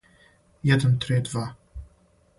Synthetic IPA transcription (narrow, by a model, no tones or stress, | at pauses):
jɛd̪ənt̪ɾɪd̪va